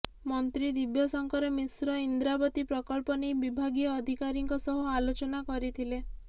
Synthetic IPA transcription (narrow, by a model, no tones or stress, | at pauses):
mɔnt̪ɾid̪ibjɔsɔŋkɔɾemisɾɔind̪ɾabɔt̪ipɾɔkɔlpɔnejbibʱaɡiɔːd̪ʱikaɾiŋkɔsɔɦualot͡ʃɔnakɔɾit̪ʰile